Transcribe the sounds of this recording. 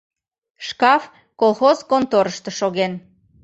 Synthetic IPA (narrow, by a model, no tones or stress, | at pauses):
ʃkɑf | kolˠxozkont̪oɾəʃt̪ə̆ʃoɣen